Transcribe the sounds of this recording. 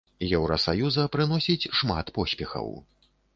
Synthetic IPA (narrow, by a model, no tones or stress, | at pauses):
jɛwɾɐsajuzɐpɾɨn̪ɔsʲit͡sʲʂma̰t̪pɔsʲpʲɛxɐ̰w